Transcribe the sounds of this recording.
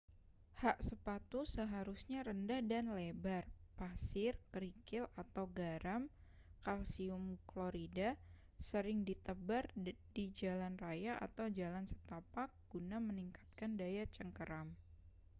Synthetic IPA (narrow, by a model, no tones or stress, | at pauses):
haʔsəpat̪usəɦaɾusɲaɾəndahdanlebarpasɪrkəɾikɪlat̪awɡaɾam | kalsiʊmkloɾida | səɾɪŋdit̪əbardid͡ʒalanrajaʔa̰t̪awd͡ʒalansə̥t̪apak̚ɡ̥unaməniŋkḁt̪̚kandajat͡ʃəŋkəɾam